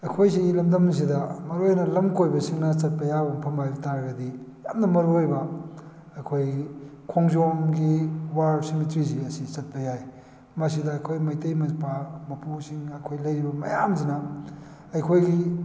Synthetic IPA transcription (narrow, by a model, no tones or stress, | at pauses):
ɐjkʰojsilɐmdɐms̬idɐmɐɾojnɐlɐmkojbɐsiŋnɐt͡ʃɐt̚pɐjabuŋpʰɐmajtaɾɡɐdija̰mnɐmɐɾojbɐ | ɐjkʰojkʰoŋzoŋɡiwaɾsimitɾiz̬iɐsit͡ʃɐt̚pɐjaj | mɐs̬idɐːkʰojmɐjtɐjmɐpamɐpusiŋɐjkʰojlɐjɾibɐmɐ̰jamzinɐ | ɐjkʰojɡi